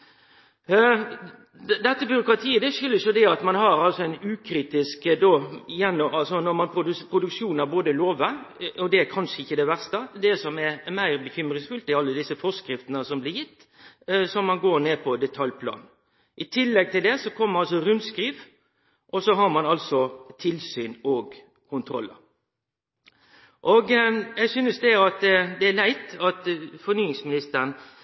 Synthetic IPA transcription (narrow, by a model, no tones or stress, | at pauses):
d̪ɛt̪ːəbʏɾʊkɾɑt̪ʰiːəd̪ɛʂʏlːəsjʊd̪ɛɑt̪mɑnɦɑɾɑlsɔænʉːkʰɾiːt̪ɪskd̪oːjɛnːɔɑlsɔnɔɾmɑnpʰʊd̪pʰɾʊd̪ʉkʂuːnɑʋboːd̪əloːʋəɔd̪ɛæɾkʰɑnʂəɪçːəd̪ɛʋæʁst̪əd̪ɛsɔmɛɾmæɪɾbəçʏmɾɪŋsfʉlt̪ɪɑlːəd̪ɪsːəfɔskɾɪft̪ənəsɔmblɪjɪt̪ː | sɔmːɑnɡoːɾneːpʰɔd̪ɛt̪ʰɑljpʰlɑ̰ːn̩ | ʔɪt̪ʰɪlːɛɡ̚t̪ʰɪld̪ɛsɔkʰɔmːəɾɑlsɔɾʉnd̪skɾiːʋ | ʔɔsɔɦɑɾmɑnɑlsɔt̪ʰɪlsyːnɔɡ | kʰʊnt̪ʰɾɔ̰lːə̰ | ʔɔɡjæɪɡsyːnəsd̪ɛɑt̪d̪ɛælæɪt̪ɑt̪fɔɾnyːɪŋsmɪnɪst̪əɾən